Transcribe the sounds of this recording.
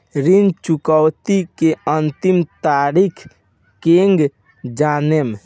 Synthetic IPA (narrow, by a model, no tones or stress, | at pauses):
ɾind͡ʒt͡ʃukəwt̪ikeənt̪imt̪aɾikʰ | keŋɡ | d͡ʒanem